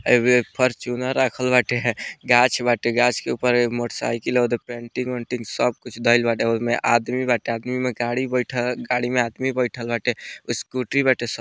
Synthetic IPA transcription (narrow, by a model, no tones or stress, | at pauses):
bepʰəɾt͡ʃunaɾakʰəlbaʈeɡat͡ʃʰbaʈeɡat͡ʃʰkeupəɾmoʈsa̰ikeleod̪epeɳʈiŋoɳʈiŋɡsəb̚kut͡ʃʰd̪əɪlbaʈeomeʔad̪mibaʈead̪mimeɡaɽibəɪʈʰəɡaɽimead̪mibəɪʈʰəlbaʈeuskuʈɾibaʈesə